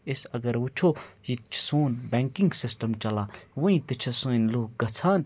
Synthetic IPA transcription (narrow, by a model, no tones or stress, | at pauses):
ɪsɐɡɐɾut͡ʃʰoːjit͡ʃʰsoːnbɛːŋkĩŋɡsɪsʈɐmt͡ʃɐlãːʋuĩt̪ɨt͡ʃʰɐsɨ̃ːnloːk̚ɡɐt͡sʰaːn